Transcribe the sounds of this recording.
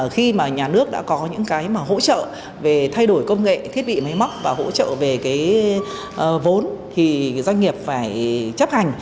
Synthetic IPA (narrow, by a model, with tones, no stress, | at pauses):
xi˧maː˨˩ɲaː˨˩nɨ˦˥ək̚ɗa̰ː˧˥kɔ˨˦ɲɨ̰˧˥ŋkaː˨˦jmaː˨˩ɦo̰˧˥t͡ɕə̰ː˧˨ | ve˨˩t̪ʰa˧jɗo˧˩jkə˧wŋ͡mŋḛ˧˨t̪ʰi˦˥ət̚ɓḭ˧˨ma˨˦jma˦˥wk͡p̚vaː˨˩ɦo̰˧˥t͡ɕə̰ː˧˨ve˨˩kaː˨˦j | vo˨˦nt̪ʰi˨˩zwa˧ŋ̟ŋi˨˩əp̚faː˧˩jt͡ɕə˦˥p̚ha˨˩jŋ̟